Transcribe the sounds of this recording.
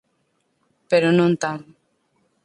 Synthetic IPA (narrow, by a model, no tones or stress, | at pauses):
peɾonũnt̪aɾ